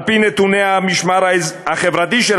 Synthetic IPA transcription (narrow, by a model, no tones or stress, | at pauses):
pinet̪uneamiʃmaɾaaχevɾat̪̬iʃel